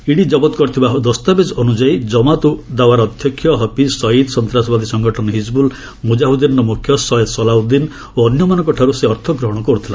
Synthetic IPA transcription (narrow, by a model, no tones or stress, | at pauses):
iɽid͡ʒɔbɔt̪kɔɾit̪ʰibaɦd̪ɔst̪abed͡ʒɔɔnud͡ʒaid͡ʒɔmat̪ud̪awaɾːd̪ʱjɔkʰːjɔɦɔpisɔid̪sɔnt̪ɾasɔbad̪isɔŋɡɔʈʰɔnɔɦid͡ʒbul | mud͡ʒaɦud̪inɔɾɔmukʰjɔsɔjed̪sɔlaud̪in | oɔnjɔmanɔŋkɔʈʰaɾuseɔɾt̪ʰɔɡɾɔɦɔɽ̃ɔkɔɾut̪ʰila